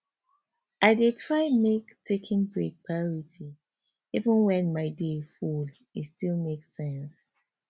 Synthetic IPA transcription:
ʔaɪdetʰɹaɪmektʰekʰĩnbɹek̚pʰaɔɹitʰi | ivə̃nwɛ̃nmaɪdeful | istilˠmeksɛ̃ns

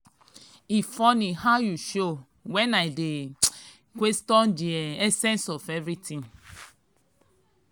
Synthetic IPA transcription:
ifɔnihaʊjuʃo | wɛ̃naɪde | kwɛstɔ̃ndiɛɛsɛ̃nsɔfɛvɹitʰĩn

